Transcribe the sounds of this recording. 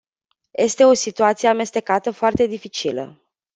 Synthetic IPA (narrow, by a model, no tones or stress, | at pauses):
je̞st̪e̞o̞sit̪uat̪sijeame̞st̪e̞kat̪əfoart̪e̞d̪ifit͡ʃilə̰